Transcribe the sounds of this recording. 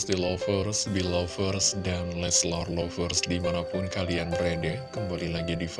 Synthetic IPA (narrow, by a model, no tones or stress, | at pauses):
sdilɔfərsbilɔfərsdanlɛslarlɔfərsdimanapʊnkalianbɾedɛkəmbalilaɡidif